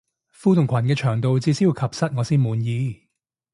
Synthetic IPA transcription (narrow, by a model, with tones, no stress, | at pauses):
fuː˥t̪ʰʊ˨˩ŋkʷʰɐ˨˩nkɛː˧t͡ʃʰœː˨˩ŋt̪o˨˧wt͡siː˧˥siː˥ju˧wkʰɐ˨˩p̚sɐ˥t̚ŋɔː˨˧siː˥nmuː˨˧njiː˨˧